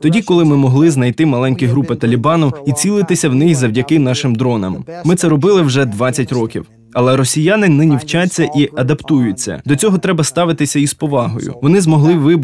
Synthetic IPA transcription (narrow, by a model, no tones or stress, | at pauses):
t̪ɔdʲikɔlˠɪmɪmɔɦlˠɪznɐjt̪ɪmɐlˠɛnʲkʲiɦɾupɪt̪ɐlʲibɑnʊit͡sʲilˠɪt̪ɪsʲɐwnɪxzɐwdʲɐkɪnɑʃɪmd̪ɾɔnɐ̰mmɪt̪sɛɾɔbɪlˠɪwʒɛd̪ʋɑt͡sʲːɐtʲrɔkʲḭw | ɐlˠɛɾɔsʲijanɪnɛnʲiwt͡ʃat͡sʲːɐʔiʔɐd̪ɐpt̪ujʊt͡sʲːɐ̰d̪ɔt͡sʲɔɦɔt̪ɾɛbɐst̪ɑʋɪt̪ɪsʲɐispɔʋɑɦɔ̰jʊ̰ʋɔnɪzmɔɦlˠɪʋɪb